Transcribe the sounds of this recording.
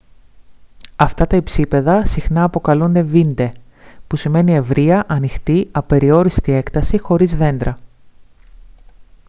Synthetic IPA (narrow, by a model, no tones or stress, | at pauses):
ɐft̪ɐt̪ɐipsipe̞ðɐsixnɐːpo̞kɐlund̪e̞vind̪e̞pusime̞nie̞vɾiɐʔɐnixt̪iɐpe̞ɾio̞ɾist̪ie̞kt̪ɐsixo̞ɾizðe̞nd̪ɾɐ